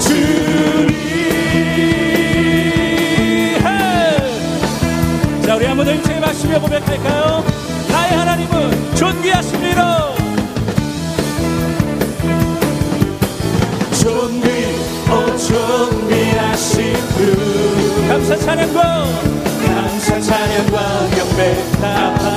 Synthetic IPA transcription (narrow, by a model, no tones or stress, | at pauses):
t͡ɕɯɾi | ɦe | t͡ɕauɾiamod̪oimsʰeɡemaks͈imebomek͈ʰaɭk͈ajo | naehanaɲimɯnt͡ɕonɡiɦaɕʰimliɾʌ | t͡ɕonɡi | ot͡ɕonɡiaɕimu | kamsʰat͡ɕʰaɲʌŋɡwa | kamsat͡ɕʰaɲjʌŋɡwakjʌme | taa